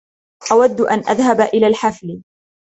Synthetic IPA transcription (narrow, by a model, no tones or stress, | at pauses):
ʔawad̪ːʔanʔa̰ðhabʔɪlaːlħaflɪ